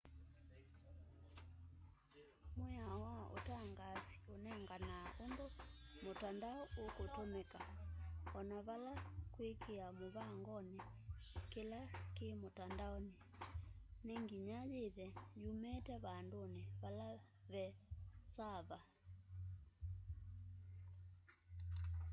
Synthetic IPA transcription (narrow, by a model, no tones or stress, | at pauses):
mweawaʔo̰taŋɡasi̥onɛŋɡanaʔondomotandaɔokotomɛka | ɔnaβalakwekeamoβaŋɡɔnekelakemotandaɔne | neŋɡiɲajeðɛjumɛtɛβandoneβalaβɛsaβa